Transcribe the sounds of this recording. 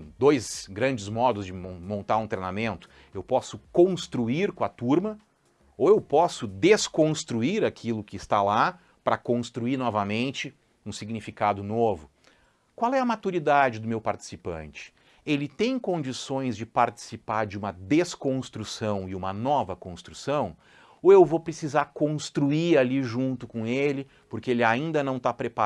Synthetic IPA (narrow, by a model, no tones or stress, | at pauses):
d̪ojzɡɾɐ̃nd͡ʒɪzmɔd̪ʊzd͡ʒɪmõmõnt̪aɾũt̪ɾejnamẽnt̪ʊ̥ | ewpɔsʊkõst̪ɾuiɾkõɐt̪uɾmɐ | oewpɔsʊd̪eskõst̪ɾuiɾakʰilʊkɪːst̪ala | pɾʔɐkõst̪ɾuiɾnɔvɐmẽnt͡ʃɪ | ũsiɡnifikad̪ʊnovʊ | kwawɛɐmat̪uɾid̪ad͡ʒɪd̪ʊmewpaɾt͡ʃi̥sipɐ̰̃nt͡ʃɪ̥ | elɪt̪ẽj̃kõnd͡ʒisõj̃zd͡ʒɪpaɾt͡ʃi̥sipaɾd͡ʒɪũmɐd̪eskõst̪ɾusɐ̃w̃ɪũmɐnɔvɐkõst̪ɾusɐ̃w̃ | oewvopɾesizaɾkõst̪ɾuiɾaliʒũnt̪ʊkõelɪ | poɾkeelɪaĩnd̪ɐnɐ̃w̃t̪apɾepa